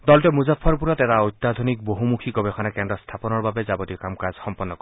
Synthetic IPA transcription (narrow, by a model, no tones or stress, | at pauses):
d̪ɔltɛmuzapʰːɔɹp̬uɹɔt̪ɛtaojt̪ːad̪ʱɔnik̚boɦumukʰikɔbɛxʰɔnakɛndɾɔst̪ʰapɔnɔɹbabɛzabɔt̪ikamkazxɔmpɔnːɔkɔ